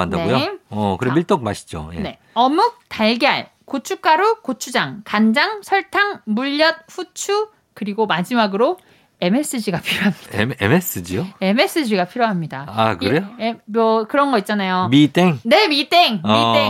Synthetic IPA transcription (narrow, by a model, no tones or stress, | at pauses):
a̰ndaeujoʌkɯɾemiɭt͈ok̚ma̰ɕʰi̥d͡ʑo̰jḛne̞ | ʌmuk̚taɭɡeɦa̰ɭ | kot͡ɕʰuk͈aɾukot͡ɕʰud͡ʑaŋkand͡ʑaŋsʰʌɭtʰaŋmuʎːʌt̚ɸʰut͡ɕʰu | kɯɾiɡomad͡ʑimaɡɯɾo | e̞me̞s͈ɯd͡ʑiɡapʰiɾjoɦamɲidaḛmes͈ɯd͡ʑijoe̞me̞s͈ɯd͡ʑiɡapʰiɾjoɦamɲidaakɾejomʌkɯɾʌnɡʌit̚t͡ɕ͈anajomit͈eŋne̞mit͈eŋie